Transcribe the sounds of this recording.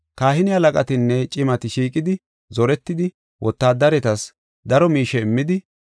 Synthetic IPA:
kaːhɪnɪɐlɐkʼɐt̪ɪnːɛt͡ʃʼɪmɐt̪ɪʃiːkʼɪd̪ɪ | zɔɾɛt̪ːɪd̪ɪ | wʔɔt̪ːaːd̪ɐɾɛt̪ɐs | d̪ɐɾɔmiːʃɛɪmːɪd̪ɪ

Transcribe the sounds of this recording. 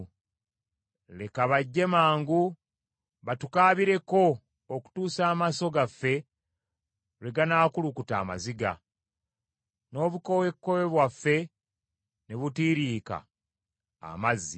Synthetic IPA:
lekaβaɟːe̞maːŋɡu | βatukaːβiɾe̞ko̞ | oku̥tuːsaːmaso̞ɡafːe̞ | ɾeɡanaːkulukuta̰ːma̰ziɡa̰ | no̞ːβuko̞we̞kːowe̞βwafːe̞ | neβutiːɾiːka̰ː | mazːi

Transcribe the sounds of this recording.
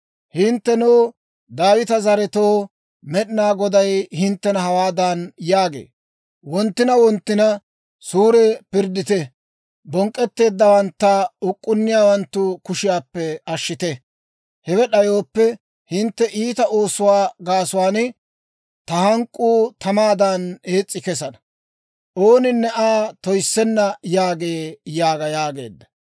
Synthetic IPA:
hɪnt̪ːɛnuː | d̪aːwɪt̪ɐzɐɾɛt̪o̞ː | mɛɗnaːɡɔd̪ɐjhɪnt̪ːɛnɐhɐwaːd̪anjaːɡḛː | wɔnt̪ːɪnɐwɔnt̪ːɪnɐ | suːɾɛpɪɾd̪ɪt̪ɛ | bɔŋkʼːɛt̪ːe̞ːd̪ːɐwɐnt̪ːɐʊkʼːʊnːɪjaːwɐnt̪ːʊkʊʃɪjaːpːɛɐʃːɪt̪ɛ | hɛwɛɗɐjo̞ːpːɛ | hɪnt̪ːɛʔiːt̪ɐo̞ːsʊwaːɡaːsʊwaːnɪ | t̪ɐhɐŋkʼːuːt̪ʰɐmaːd̪ɐne̞ːt͡sʼːɪkɛs̬ɐnɐ | ʔo̞ːnɪnːɛʔaːt̪ɔjsːɛnːɐjaːɡe̞ːjaːɡɐjaːɡe̞̰ːd̪ːɐ̥

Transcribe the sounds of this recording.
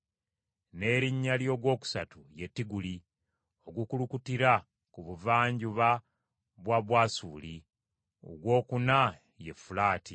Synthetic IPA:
ne̞ɾiɲːaljo̞ɡwo̞ːku̥satuje̞tːiɡuli | o̞ɡukulukutiɾa | kuβuvaːɲɟuβa | βwaβwaːsuːli | o̰ɡwo̞ːkuna | je̞fulaːti

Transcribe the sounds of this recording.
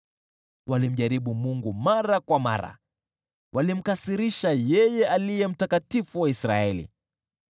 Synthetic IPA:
wʔalim̩ʄaɾiɓumuŋɡumaɾakwama̰ɾa̰ | wʔalim̩kasiɾiʃajɛjɛalijɛm̩takatifuwaisɾa̰ɛlḭ

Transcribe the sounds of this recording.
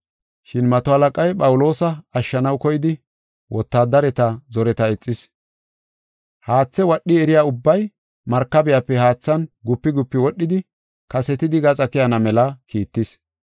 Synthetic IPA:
ʃɪnmɐt̪ɔhɐlɐkʼɐjpʼɐwʊlo̞ːsɐːʃːɐnɐwkɔjɪd̪ɪ | wʔɔt̪ːaːd̪ɐɾɛt̪ɐzɔɾɛt̪ɐɛt͡sʼːɪs | haːt͡sːɛwɐɗːɪɛɾɪjaːʊbːɐj | mɐɾkːɐbɪjapːɛhaːt͡sːɐnɡʊpːɪɡʊpːɪwɔɗːɪd̪ɪ | kɐsɛt̪ɪd̪ɪɡɐt͡sʼɐkɪjɐnɐmɛlɐkiːt̪ːɪs

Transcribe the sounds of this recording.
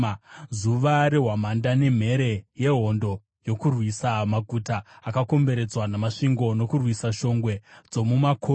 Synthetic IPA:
zuʋaɾeɦwamandane̞m̤e̞ɾe̞je̞ɦo̞ndo̞ | jo̞kurwisamaɡʱutaːkako̞mbe̞ɾe̞d͡zwanamaʂiŋɡo̞no̞kurwisaʃo̞ŋɡwe̞d͡zo̞mumakʰo

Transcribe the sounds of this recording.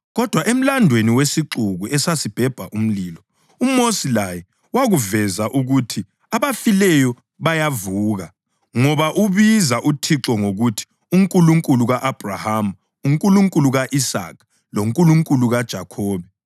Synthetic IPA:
ɣɔd̥ʱwaʔem̩landʱweniwesiǁuɣuʔɛsasib̥ʱɛb̥ʱaʔum̩liːlɔ | umosilajɛ | waɣuvɛzaʔuɣutʰi | aβafilɛjɔ | βajavuːɣa | ŋɔβaʔuβizaʔutʰiǁɔŋoɣutʰi̥ | uŋkʼuluŋkʼuluɣaʔab̥ʱrahamu | uŋkʼuluŋkʼuluɣaʔisa̰ːkʰ | loŋkʼuluŋkʼuluɣad̥ʒ̥ʱakʰɔːβɛ

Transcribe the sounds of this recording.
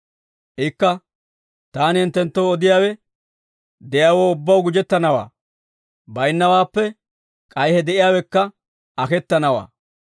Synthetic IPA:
ʔɪkːɐ | t̪aːnɪhɪnt̪ːɛnt̪ːowɔd̪ɪjaːwɛ | d̪ɛjaːwoːʊbːɐwɡʊd͡ʒɛt̪ːɐnɐwa̰ː | bɐjnːɐwaːpːɛ | kʼɐjhɛd̪ɛʔɪjaːwɛkːɐ | ɐkɛt̪ːɐnɐwa̰ː

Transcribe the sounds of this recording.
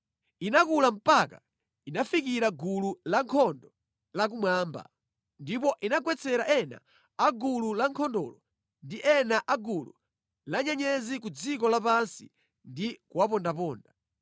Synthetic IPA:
inakulam̩paka̰ | inafikiɾaɡululaŋkʰɔndɔ | lak̬umwaːmba̰ | ndipɔʔinaɡwɛt͡sʰɛɾaʔɛna̰ː | ɡululaŋkʰɔndɔ̰ːlɔ | ndiʔɛnaʔaɡulṵ | laɲɛɲɛzik̬ud͡zik̬ɔlapansi | ndikuwapɔndap̬ɔːnda

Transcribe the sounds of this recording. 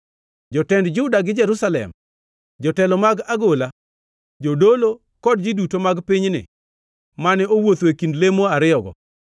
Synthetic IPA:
d͡ʒɔtɛndd͡ʒʊdaɡɪd͡ʒɛɾusalɛ̰m | d͡ʒɔtɛlɔmaɡaɡola | d͡ʒodolo | kɔd̚d͡ʒidutomaɡpɪɲnɪ̰ | manɛowot̪wekindlemoaɾɪɔɡɔ̰

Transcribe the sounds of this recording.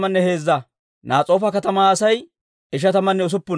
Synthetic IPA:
mɐnːɛhe̞ːzːɐ | naːt͡sʼo̞ːfɐkɐt̪ɐmaːsɐj | ɪʃ̬ɐt̪ɐmɐnːɛʊs̬ʊpːʊ

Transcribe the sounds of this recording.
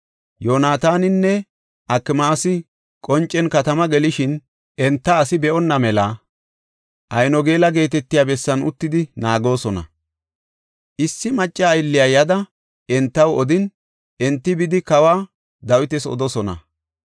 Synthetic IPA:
joːnaːt̪aːnɪnːɛ | ʔɐkːɪmaːsɪ | kʼɔnt͡ʃʼːɛnkɐt̪ɐmɐɡɛlɪʃɪn | ʔɛnt̪ːɐːsɪbɛɔnːɐmɛlɐ | ʔɐjnɔɡe̞ːlɐɡe̞ːt̪ɛt̪ːɪjaːbɛsːɐnʊ̰t̪ːɪd̪ɪnaːɡo̞ːsɔnɐ̰ | ʔɪsːɪmɐt͡ʃʼːɐːjlːɪjaːjɐd̪ɐ | ɛnt̪ːɐwɔd̪ɪn | ɛnt̪ːɪbɪd̪ɪkɐwaː | d̪ɐwɪt̪ɛsɔ̰d̪ɔsɔnɐ̰

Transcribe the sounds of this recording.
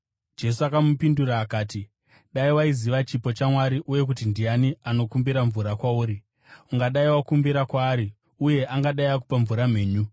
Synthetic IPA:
d͡ʒe̞s̬uakamupinduraːkaːti | ɗaiwaiziʋat͡ʃipo̞t͡ʃamwaɾiʔuje̞k̬utindijaniano̞kumbiɾaɱvuɾakwauːɾi | uŋɡaɗaiwakumbiɾakwaːɾi | uje̞ʔaŋɡaɗaiak̬upaɱvuɾam̤e̞ːɲu

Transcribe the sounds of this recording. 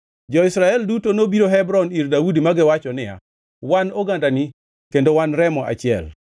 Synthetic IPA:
d͡ʒɔɪsɾaɛldutonobiɾoɦɛbɾɔniɾdaudimaɡɪwat͡ʃɔnɪja̰ | wanoɡandani | kendowanɾɛmɔʔa̰t͡ʃɪɛ̰l

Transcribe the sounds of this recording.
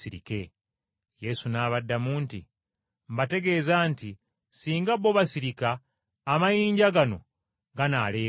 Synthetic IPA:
iɾḭke̞ | je̞sunaːβadːamuːnti | mbate̞ɡe̞ːzaːnti | siːŋɡaβoβasiɾikaː | majiːɲɟaɡano̞ | ɡanale̞ː

